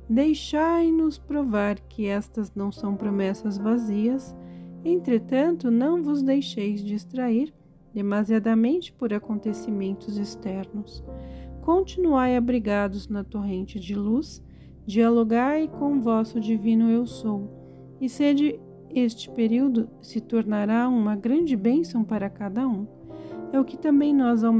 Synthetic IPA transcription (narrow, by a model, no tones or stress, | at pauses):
d̪ejʃajnʊspɾovaɾkʰɪɛst̪ɐznɐ̃w̃sɐ̃w̃pɾomɛsɐzvaziɐsẽnt̪ɾet̪ɐ̃nt̪ʊnɐ̃w̃vʊzd̪ejʃejzd͡ʒɪːst̪ɾaiɾ | d̪emaziad̪ɐmẽnt͡ʃɪ̥poɾakõnt̪esimẽnt̪ʊzest̪ɛɾnʊskõnt͡ʃinuajabɾiɡad̪ʊznɐt̪oɦẽnt͡ʃɪd͡ʒɪlus | d͡ʒialoɡajkõw̃ʊvɔsʊd͡ʒivĩnʊewsow | ɪsed͡ʒɪ | est͡ʃɪ̥peɾiwd̪ʊ | sɪt̪oɾnaɾaũmɐɡɾɐ̃nd͡ʒɪbẽsɐ̃w̃paɾɐkad̪ɐũ | ɛʊkɪ̥t̪ɐ̃mbẽj̃nɔzaw